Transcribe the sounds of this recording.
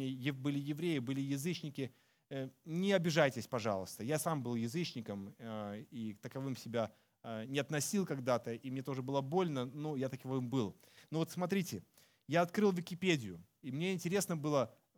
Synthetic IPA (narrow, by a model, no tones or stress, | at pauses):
ejɪbɨlʲɪjɪvɾʲejɪbɨlʲɪjɪzɨt͡ɕnʲɪkʲɪ | nʲɪɐbʲɪʐajtʲɪsʲpɐʐɑ̰lˠəst̪əjasambɨlˠjɪzɨt͡ɕnʲɪkəm | it̪əkɐvɨmsʲɪbʲa | nʲɪɐt̪nɐsʲilˠkɐɡd̪at̪əimnʲe̞t̪o̞ʐɨbɨlˠəbo̞lʲnənujat̪ɐkɐvvɨmbɨlˠ | novo̞t̪smɐt̪̬ɾʲitʲɪ | jaɐt̪kɾɨlˠvʲɪkʲɪpʲedʲɪjʊ | imnʲeɪnʲtʲɪɾʲe̞snəbɨlˠə